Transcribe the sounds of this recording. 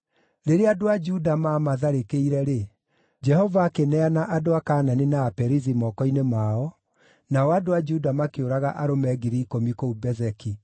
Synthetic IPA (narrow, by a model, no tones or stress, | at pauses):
ɾeɾeadoad͡ʒudamamaðaɾekeiɾɛɾe | d͡ʒɛhɔvaːkenɛanaʔadoakaːnanenaːpɛɾizimɔkɔinemaɔ | naɔadoad͡ʒudamakeoɾaɣaʔaɾomɛɣiɾiːkomikoubɛzɛki